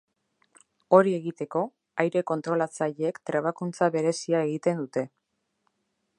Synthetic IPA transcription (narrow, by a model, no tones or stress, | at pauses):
o̞ɾie̞ɣit̪e̞ko̞ | ajɾe̞ko̞nt̪ɾo̞lat͡saʎeekt̪ɾeβ̞akunt͡saβe̞ɾe̞siae̞ɣ̞it̪e̞nd̪ut̪e̞